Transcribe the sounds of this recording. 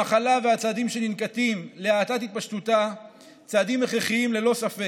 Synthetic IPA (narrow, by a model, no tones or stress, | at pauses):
aχalavehat͡saːd̪imʃe̞ninkat̪imleaːt̪at̪hit̪̚paʃt̪ut̪a | t͡saːd̪imeχeχiimle̞lo̞safe